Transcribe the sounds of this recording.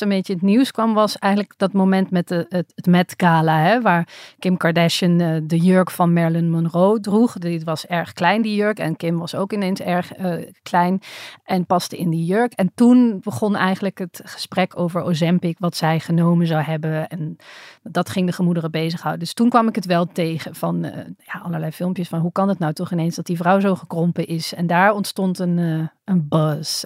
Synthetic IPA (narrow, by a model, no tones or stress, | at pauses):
ənmbejtəətniwskʋɑmʋɑsɛjχənləkd̥ɑtmomɛntmɛtətmɛtɡ̥aːlaɦɛʋaːɹkɪmkɑɹdɛʃəndəjøɹkfɑnmɛɹlənmɔnrowdruχdɪtʋɑsɛɹχklɛjndijøɹkɛ̰nkɪmʋɑsowkɪnensɛɹχəklɛjnʔɛnpɑstəɪndijøɹkɛntunbəχɔnɛjχənləkɦətχə̥sprɛkʰowvəɹosɛmpɪkʋɑtsɛjχənowmənzawɦɛbəɛndɑtχɪŋdəχəmudərəbejzəχɦɑwdədɵstunkʋɑmɪkɦətʋɛlˠtejχəv̥ɑnjaːʔɑlˠəɹlɛjfɪlˠmpjəsfɑnɦukɑnətnawtɔχɪnejnzdɑt̚divrɑwzowχəkrɔmpəʔɪsɛndaːɹɔntstɔntən | ənbɑs